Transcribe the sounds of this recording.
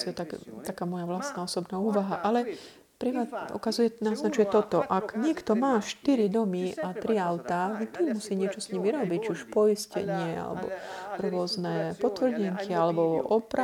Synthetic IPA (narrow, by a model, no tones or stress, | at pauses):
siɛt̪akt̪akaːmɔjaʋlast̪naːɔsɔbnaːuːʋaɦaʔalɛ | pɾimaṵkazujɛnaznat͡ʃujɛt̪ɔt̪ɔʔaɡɲɪɛkt̪ɔmaːʃt̪iɾid̪ɔmiat̪ɾiaʊt̪aʒɛt̪imːusiːɲɪɛt͡ʃɔsɲimiɾɔbict͡ʃiuʃpɔjiscɛ̰ɲɪɛa̰lɛ̰bɔ̰ɾʊɔznɛːpɔt̪ʋr̩ɟɛŋkʰialɛbɔʔɔpɾa